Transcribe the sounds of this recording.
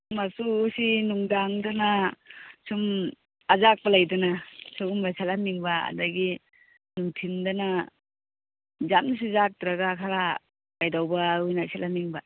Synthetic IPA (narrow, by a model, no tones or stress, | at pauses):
masuːsinuŋdaŋdana | sum | azak̚palajdɯnasʰuɡumasʰalamiŋbaa̰daɡi | nuŋtʰimdana | zam̚nas̬izak̚tɾaɡakʰala | kajdawbaujnasʰalamiŋba